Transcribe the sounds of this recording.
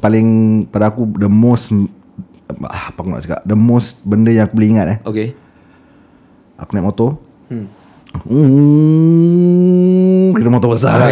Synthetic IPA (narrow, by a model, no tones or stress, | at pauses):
palɪŋpadaːkudəmos | a̰pakuna̰ʔt͡ʃəka̰ʔdəmosbəndəjãŋakubələiŋat̪̚ɛoke | ʔa̰kunɛtʔmot̪o | u | kit̪əmot̪obəsa